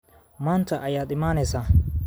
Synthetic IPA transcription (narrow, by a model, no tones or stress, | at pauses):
maːntɐʔɐjat̪ʼɪmaːnɛsa